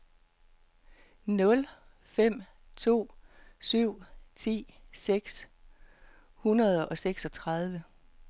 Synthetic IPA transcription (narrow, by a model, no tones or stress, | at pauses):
nɔ̽l | fem̰ | t͡sʰo̝̰ːsyʊ̰t͡sʰḭːseɡ̥s | hunɐð̞ˠʔɒ̽seɡ̥sɒ̽t͡sʰʁɑ̈ð̞ˠʋə